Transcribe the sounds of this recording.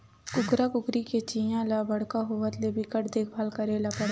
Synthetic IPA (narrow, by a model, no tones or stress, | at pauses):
kʊkɾakʊkɾiket͡ʃĩːjãlabəɽ̤kaɦoʋət̪lebʱikəʈd̪eːkʰbʱaːlkəɾelapəɽ